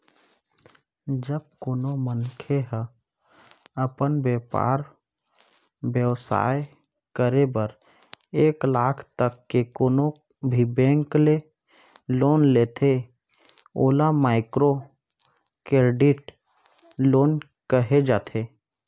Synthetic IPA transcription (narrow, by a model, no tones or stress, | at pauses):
d͡ʒəb̚koːnomənkʰeɦə | əpənbeːpa̰ːɾ | bjəwsa̰ːj | kəɾebəɾ | eːklaːkʰt̪əkːekoːno | bʱibɛ̃ːŋkle | loːnleːt̪ʰe | oːlamaːɪkɾo | keɾɖɪʈ | loːn | kəɦed͡ʒaːt̪ʰe